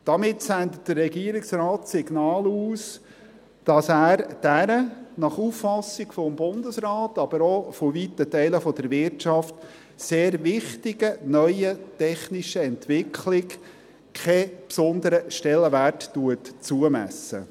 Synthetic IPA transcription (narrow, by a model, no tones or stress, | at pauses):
d̥ɑmɪtsænd̪ətd̥əɾːɛɡiəɾɪksrɑːtsɪɡnɑːluːs | d̥ɑsæːɾd̥æɾənɑχuffɑsɪɡfɔmbʊnd̪əsrɑːtɑb̥əɾofovit̪ːətɛɪləfɔd̥̪əɾʋɪɾtt͡ʃɑft | seːɾvɪχtɪɡənœʏətɛχniʃəɛntʋɪkʰlɪk | kʰɛpsɔnd̪əɾəʃtɛlːəʋærttuətt͡suəmæ̰sə̰